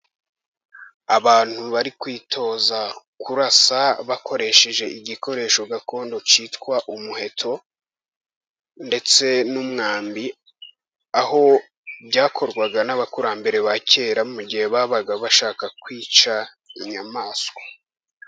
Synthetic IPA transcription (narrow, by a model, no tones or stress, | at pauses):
aβaːn̥huβaɾikwiːtʰo̞ːzakuɾasaβako̞ɾe̞ːʃe̞ʒe̞ʔiɟiko̞ɾe̞ːʃo̞ɡako̞ːndo̞t͡ʃiːtkwaʔumuhe̞tʰo̞ | nde̞t͡se̞numŋaːmbi | aho̞ | bɟaːkʰo̞ɾɡwaɡanaβakuɾambe̞ɾe̞βace̞ːɾamuɟihe̞βaːβaɡaβaʃaːkakwiːt͡ʃa | iɲamaːsko